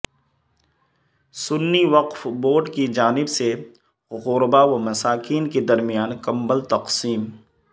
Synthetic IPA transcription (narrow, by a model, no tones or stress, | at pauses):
sʊnːiʋɐqfboːɖkid͡ʒaːnɪbse | ɣʊɾbaʋamɐsaːkiːnked̪ɐɾmijaːnkɐmbəlt̪ɐqsiːm